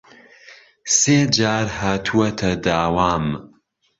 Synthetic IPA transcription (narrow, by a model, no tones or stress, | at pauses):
seːd͡ʒaːɾhaːt̪ʰuwɐt̪ʰɐd̪aːwaːm